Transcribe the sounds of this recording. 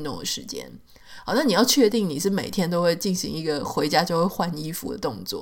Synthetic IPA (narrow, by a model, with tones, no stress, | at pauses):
t̪ʊ̰˥˩ŋd̪ə˨˩ʂɻ̩˧˥t͡ɕjɛ̰˥n˧˩˦ | na˥˩ni˨˩jɑ˥˧ʊt͡ɕʰɥɛ˥˧t̪i˥˩ŋni˨˩ʂɻ̩˥˩me˨˩ɪt̪ʰjɛ˥nt̪o˥ʊxwe˥˧ɪt͡ɕi˥˩nɕḭ˧˥ŋi˧˥ɡə˧xwe˧˥ɪt͡ɕja˥t͡ɕjo˥˧ʊxwe˥˩ɪxwa˥˩ni˥fṵ˧˥d̪ə̰˦t̪ʊ˥˧ŋt͡swɔ̰˥˩